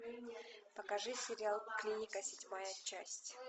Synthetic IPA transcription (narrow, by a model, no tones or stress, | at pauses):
pɐkɐʐɨsʲɪɾʲɪalˠklʲinʲɪkəsʲɪdʲmajət͡ɕːasʲtʲ